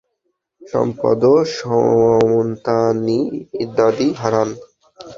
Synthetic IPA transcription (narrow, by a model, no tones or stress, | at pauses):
ʃɔ̰mpɔ̰d̪oʃɔmont̪aniːd̪ad̪iɦaɾan